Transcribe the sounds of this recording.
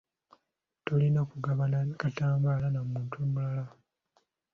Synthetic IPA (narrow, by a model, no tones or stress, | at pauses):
to̞lino̞ːkuɡaβanakataːmbaːlanamuːntʰumulala